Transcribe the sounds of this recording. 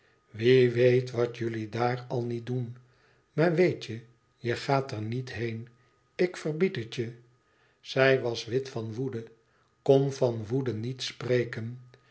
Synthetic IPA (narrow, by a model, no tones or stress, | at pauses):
ʋiʋejtʋɑtjʏlidaːrɑlˠnit̚dun | maːɹʋejtə | jəχaːtəɹnitɦejn | ɪkfərbitətjə | z̥ɛjʋɑsʋɪtfɑnʋudə | konvɑnʋudənitsprejkən